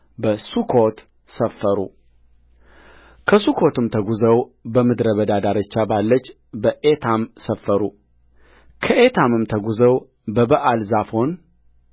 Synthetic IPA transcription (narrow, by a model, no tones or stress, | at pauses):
bəsukʰot̪ | səfːəɾṵ | kʰəsukʰot̪ɨmt̪ʰəɡuzəwbəmɨd̪ɾəβəd̪ad̪aɾət͡ʃːabalːət͡ʃː | bəʔet̪ʰamsəfːəɾu | kʰəʔet̪ʰamɨmt̪ʰəɡuzəw | bəbəʔalzafho̞n